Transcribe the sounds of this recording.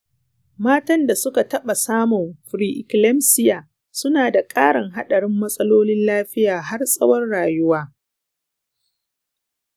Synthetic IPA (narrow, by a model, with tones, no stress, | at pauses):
maː˦tɐ˦nda˨sʊ˦ka˨tɐ˦ɓa˨saː˦mɔ˨mɸɾiː˨ʔɪ̰˨klɛ˦msɪ˦jaː˨ | sʊ˦naː˨da˨kʼaː˦ɽɪ˨ŋɦa˦ɗɐ˨ɽɪ˦mːɐ˦sʼɐ˦loː˦nɪ˦nlaː˦ɸɪ˦jaː˨ɦa˦rsʼɐ˦wɐ˦rɽaː˨jʊ˦waː˦